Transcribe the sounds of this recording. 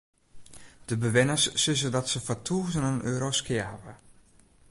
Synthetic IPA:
d̥əbəʋɪnəsːɪz̬ədɔtsəfɔtʰuːzənənʔøːɾoskɪəɦavə̰

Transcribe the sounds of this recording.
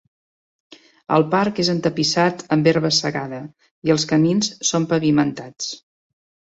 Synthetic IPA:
ə̰lˠpaɾkezənt̪əpisat̪əmbeɾβəsəɣaðə | iəlˠskəminssompəβimənt̪at͡s

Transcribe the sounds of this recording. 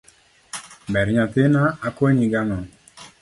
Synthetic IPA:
bɛɾɲat̪ɪnaakwoɲiɡamɔ

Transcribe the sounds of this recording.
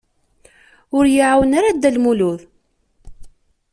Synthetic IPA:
ʊɾjiʕawənaɾad̪ːælmuluð

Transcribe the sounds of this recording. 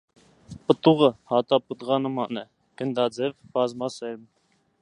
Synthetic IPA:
pət̪uʁəhɑt̪ɑpət̪ʁɑnəmɑnɛ | ɡ̥ənd̪ɑd͡zɛvb̥ɑzmɑsɛɾm

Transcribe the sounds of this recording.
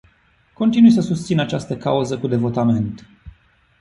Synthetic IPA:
ko̞nt̪inujsəsust̪sinat͡ʃast̪əka̰uzəkud̪e̞vo̞t̪ame̞nt̪

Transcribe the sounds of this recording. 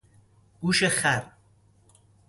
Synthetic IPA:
ɡ̥uːʃeχæɾ

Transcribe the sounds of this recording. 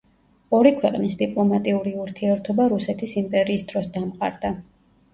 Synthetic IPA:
ɔɾikʰwɛqʼnisd̪ipʼlˠɔmat̪ʼiuɾiuɾt̪ʰiɛɾt̪ʰɔbaɾusɛt̪ʰisimpʼɛɾiːsd̪ɾɔsd̪amqʼa̰ɾd̪̥a

